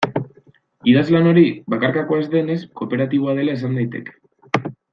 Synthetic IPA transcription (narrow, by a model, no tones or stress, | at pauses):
iðazlano̞ɾiβakaɾkako̞ezd̪e̞ne̞sko̞pe̞ɾat̪iβo̞að̞e̞laes̬and̪ajt̪e̞̰ke̥